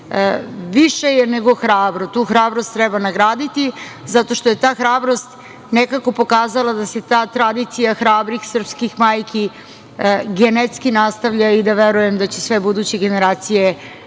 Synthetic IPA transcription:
ʋiʃe̞jeneɡo̞xɾaːbɾo̞t̪uːxɾaːbɾost̪ːɾɛbanaɡɾaːd̪it̪izat̪o̞ʃt̪oje̞t̪aːxɾaːbɾo̞st̪ | nekako̞po̞kaːzalˠad̪ase̞t̪aːt̪ɾad̪it̪sijaxɾaːbɾixsr̩pskixmaːjki | ɡenet̪skinast̪aʋʎaid̪aʋeɾujemd̪at͡ɕesʋe̞bud̪uːt͡ɕeɡe̞ne̞ɾaːt̪sije

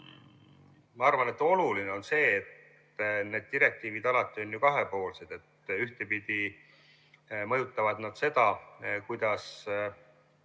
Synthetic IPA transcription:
mɑɑrvɑne̞t̪ːˑo̞lulineo̞nse̞ːt̪ | ne̞ːd̪̚t̪iɾe̞k̚t̪iːvid̪ɑlɑt̪ːˑio̞nʲjukɑɦe̞po̞ːlse̞d̪̥e̞t̪ːyht̪e̞pid̪̥i | mɤ̞jut̪ˑːɑvɑd̪nɑd̪̥se̞d̪̥ɑkujd̪̥ɑs

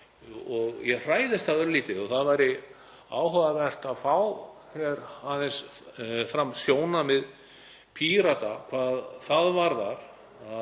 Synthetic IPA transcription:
ɔɣjɛɣr̥aːjðɪst̪ʰaðʏɾliːt̪ɪðɔθaðvaːjɾɪ | a̰ːwɦœɣavɛr̥t̪aðfaːwkɛɾaðɪns | fɾamsjoːwnamɪð | pʰiɾat̪akʰvaːðθaðvaɾðaɾ̥ | a

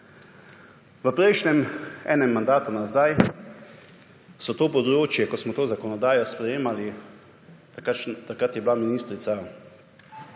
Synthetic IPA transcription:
ʋəpɾɛjʃnɛmɛ̰ːnɛmːand̪aːt̪unazd̪aj | sɔt̪oːpɔd̪ɾoːt͡ʃjɛkɔsmɔt̪oːzakɔnɔd̪aːjɔspɾɛjeːmali | t̪akɾat̪jɛblaminiːst̪ɾit̪sa

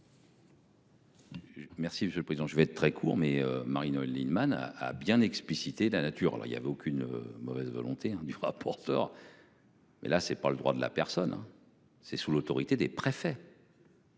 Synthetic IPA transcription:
mɛʁsiməsjøləpχezid̪ɑ̃ʒəvɛt̪t̪χɛkʰṵːʁmɛømaʁinolinmana̰a̰bjɛ̃nɛksplisit̪elanat̪yːʁa̰lʔɔ̰ʁḭlja̰vɛokʲynø̰mɔvɛzvɔ̰lɔ̃t̪eɛ̃d̪yʁa̰pʰɔʁt̪œːʁ | mɛ̰lasɛpaləd̪ʁwad̪əla̰pɛʁsɔnɛ̰̃ | sɛsulot̪ɔʁit̪ed̪epχefɛ

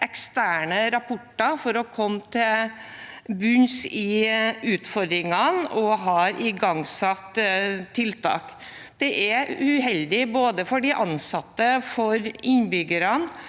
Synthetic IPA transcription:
ʔɛkst̪æːɳəɾɑpʰʊʈːɑfɔɾɔkʰɔmːt̪ʰɪl | bʉnsɪʉːt̪fɔɾd̪ɾɪŋɑnɔɦɑːɾʔɪɡɑŋsɑt̪ʰːɪlt̪ʰɑ̰ːk | d̪̥ɛʔæʉɦɛld̪ɪboːd̪əfɔɖɪʔɑnsɑt̪ːəfɔɾɪnbʏɡəɾɑn

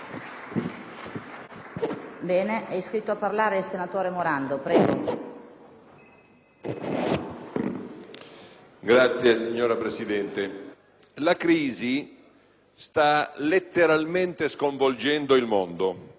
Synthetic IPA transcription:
bɛːneʔɛjskɾit̪ːoapːarlaːɾeilsenat̪oːɾemoɾand̪opɾɛːɡo | ɡɾat̪sːjesiɲːoːɾapɾesid̪ɛnt̪e | lakɾiːzi | st̪alet̪ːeɾalment̪eskoɱvold͡ʒɛnd̪oilmond̪o

